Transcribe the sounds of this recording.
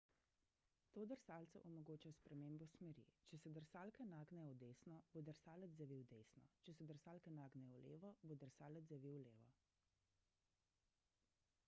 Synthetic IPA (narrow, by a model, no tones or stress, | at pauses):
t̪oːd̪əɾsaːlt̪sɛʔɔmɔɡoːt͡ʃajɔspɾɛmeːmbɔsmɛɾḭt͡ʃɛsɛd̪əɾsaːlkɛnaːɡnɛjɔd̪eːsnɔbod̪əɾsaːlɛd̪zzaʋiwd̪esnɔ̰t͡ʃɛsɛd̪əɾsaːlkɛnaːɡnɛjɔlḛːʋɔbod̪əɾsaːlɛd̪zaʋiwleːʋɔ̰